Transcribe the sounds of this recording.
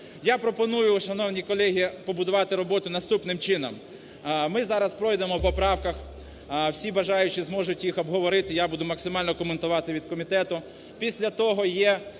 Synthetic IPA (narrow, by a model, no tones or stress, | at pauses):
japɾɔpɔnujʊʃɐnɔwnʲikɔlʲˠɛɦʲipɔbʊd̪ʊʋɑt̪ɪɾɔbɔt̪ʊnɐst̪upnɪmt͡ʃɪnɔm | mɪzɑɾɐspɾɔjd̪emɔwpɔpɾɑwkɐx | wsʲibɐʒɑjʊt͡ʃɪzmɔʒʊtʲjixɔbɦɔʋɔɾɪt̪ɪjabud̪ʊmɐksɪmɑlʲnɔkɔment̪ʊʋɑt̪ɪʋʲid̪̥̚kɔmʲit̪ɛt̪ʊ | pʲisʲlʲɐt̪ɔɦɔjɛ